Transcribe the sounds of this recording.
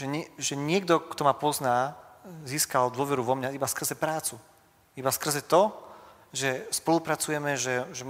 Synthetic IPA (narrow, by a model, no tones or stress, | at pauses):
ʒɛɲʒɛɲɪɛɡd̪ɔkt̪ɔmapɔznaːziːskald̪ʊɔʋɛɾuʋɔmɲaibaskr̩zɛpɾaːt͡su | ibaskr̩zɛt̪ɔ | ʒɛspɔlupɾat͡sujɛmɛʒɛʒɛ